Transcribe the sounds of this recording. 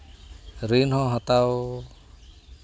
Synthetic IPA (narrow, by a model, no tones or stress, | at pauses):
ɾinhɔ̃ɦɔt̪aw